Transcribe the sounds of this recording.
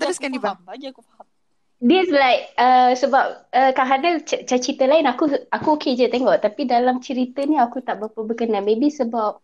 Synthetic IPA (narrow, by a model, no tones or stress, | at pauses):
sai | dəslajk̚əsəbap̚əkaɦanət͡ʃt͡ʃat͡ʃit̪əlaɪnakuakuoked͡ʒət̪eŋɔʔt̪apidalamt͡ʃəɾit̪əniakut̪aʔbapəbəkənamebisəbap̚